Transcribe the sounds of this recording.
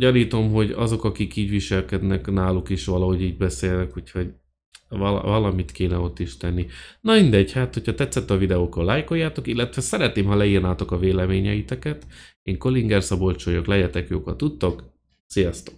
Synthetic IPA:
ɟɒniːt̪o̞mɦo̞ɟɒ̰zo̞kɒkikiːɟʋiʃɛlkɛd̪nɛknaːlukiʃʋɒlɒɦo̞ɟiːɟbɛseːlnɛkuːcho̞ɟ | vɒl̰vɒlɒmit̪keːnɛo̞t̪ːiʃt̪ɛnːinɒmind̪ɛɟhaːt̪ho̞chɒt̪ɛt̪sːɛt̪ːɒvid̪ɛokːɒlːaːjko̞jːaːt̪o̞kilːɛt̪ʋɛsɛɾɛt̪neːmɦɒlɛiːrnaːt̪o̞kɒveːlɛmeːɲɛit̪ɛkɛt̪ | eːŋko̞liŋɡɛrsɒbo̞lt͡ʃojoklɛɟɛt̪ɛkjoːkɒt̪ut̪ːo̞k | sijɒst̪o̞k

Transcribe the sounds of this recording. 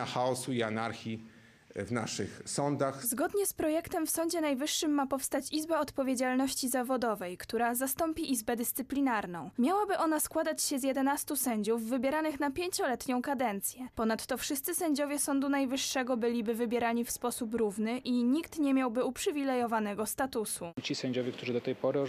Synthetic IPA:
axaɔsuianaɾxʲi | vna̰ʂɘ̰xsɔnd̪axzɡɔd̪ɲɛspɾɔjɛkt̪ɛmfsɔɲd͡ʑɛnajvɘʂːɘmːapɔfst̪at͡ɕizbaɔt̪pɔvʲjed͡ʑalnɔɕt͡ɕizavɔd̪ɔvɛjkt̪uɾazast̪ɔmpʲiʔizbɛd̪ɘst̪sɘplʲinaɾnɔ̃w̃mʲjawabɘʔɔnaskwad̪at͡ɕɕɛzjɛd̪ɛnast̪usɛɲd͡ʑuvːɘbʲjɛɾanɘxnapʲjeɲt͡ɕɔlɛt̪ɲɔ̃w̃kad̪ɛnt̪sʲjɛpɔnat̪ːɔfʂɘst̪sɘsɛɲd͡ʑɔvʲjɛsɔnd̪unajvɘʂːɛɡɔbɘlʲibɘvɘbʲjɛɾaɲifspɔsupɾuvnɘʔiɲikt̪ɲɛmʲjawbɘupʂɘvʲilɛjɔvanɛɡɔst̪at̪usut͡ɕisɛɲd͡ʑɔvʲɛk̚t̪uʐɘd̪ɔt̪ɛjpɔɾɘ

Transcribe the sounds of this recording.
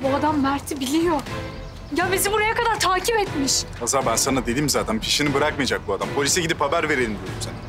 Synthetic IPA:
buad̪amːæɾt̪ʰibilʲijo | jabizimbuɾajakad̪aɾt̪ʰaːcʰipɛt̪miʃ | azabænsanad̪e̞d̪imzaːt̪ʰænpʰiʃinibɯɾakmajad͡ʒak̚buad̪ampʰo̞lʲisɛɟid̪ipʰabæɾve̞ɾelʲimd̪ijoɾumsana

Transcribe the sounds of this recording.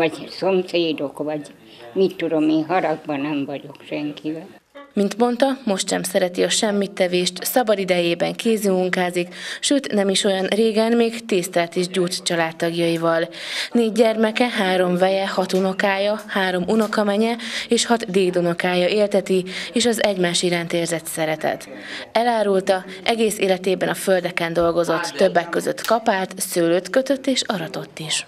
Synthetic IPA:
ɒɟsomseːd̪o̞kʋɒɟ | mit̪ːud̪omeːɦɒɾɒɡ̚bɒnɛmvɒɟo̞kʃɛŋkivɛl | mint̪mo̞nt̪ɒmo̞ʃt̪ʃɛmsɛɾɛt̪iɒʃɛmːit̪ːɛveːʃt̪sɒbɒd̪id̪ɛjeːbɛŋkeːzymuŋkaːzikʃøːt̪nɛmiʃo̞jɒnreːɡɛnmeːɡt̪eːst̪ɛlɛt̪eːʒɟoːt͡st͡ʃɒlaːt̪ːɒɡjɒivɒlneːɟːɛrmɛkɛɦaːɾo̞ɱvɛjɛhɒt̪uno̞kaːjɒhaːɾo̞mʔunokɒmɛɲɛeːʃhɒt̪d̪eːɡd̪ono̞kaːjɒʔeːlt̪ɛt̪ieːʃɒzɛɟmaːʃiɾaːnt̪eːrzɛt̪sɛɾɛt̪ɛ̰t̪ | ɛlaːɾult̪ɒ | ʔɛɡeːseːlɛt̪eːbɛnɒfø̞ld̪ɛkɛnd̪o̞lɡo̞zo̞t̪ːø̞bːɛkːø̞zø̰t̪kɒpaːt̪søːløːt̪køt̪øt̪ːeːʃɒɾɒt̪o̞t̪ːiʃ

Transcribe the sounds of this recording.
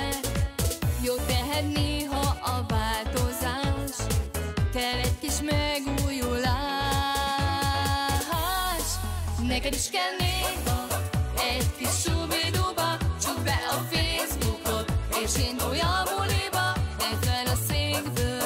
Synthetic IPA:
joːt̪ːɛɦɛt̪neːɦɒʔɒvaːlt̪o̞zaːʃkɛlːɛckiʃmɛɡujulaː | ɦaʃnɛkɛd̪iʃkɛlneːɦ | ɛɟkiʃsuvid̪ubɒt͡ʃɔk̚bɛʔɒfeːzbukot̪eːʃeːnojɒmulibɒɛbːɛlɒseːɡbøː

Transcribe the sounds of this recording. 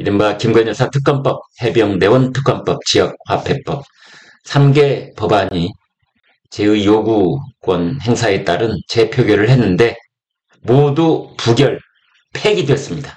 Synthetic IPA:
iɾɯmbakimɡʌɲʌɭsʰatʰɯk͈ʌnp͈ʌp̚he̞bjʌŋne̞wʌntʰɯ̥k͈ʌnp͈ʌp̚t͡ɕijʌk̚wapʰe̞p͈ʌp̚ | sʰamɡe̞pʌbaɲi | t͡ɕe̞ɯjoɡuɡwʌnhe̞ŋsʰae̞t͈aɾɯnt͡ɕe̞pʰjoɡjʌɾɯɭhenːɯnde̞ | modupuɡjʌɭ | pʰeɡidweʌs͈ɯmɲidḁ

